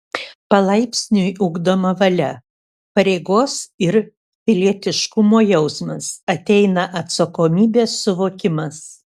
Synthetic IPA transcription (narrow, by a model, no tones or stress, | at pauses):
pɐlˠɐɪpʲsʲnʲʊjʊɡd̪oːmɐʋɐlʲɛ | pɐɾʲeɪɡoːsɪɾ | pʲɪlʲiɛt̪ʲɪʃkʊmoːjɛʊsmɐsɐt̪ʲɛɪnɐʔɐt̪sɐkoːmʲiːbʲeːsːʊʋoːkʲɪmɐs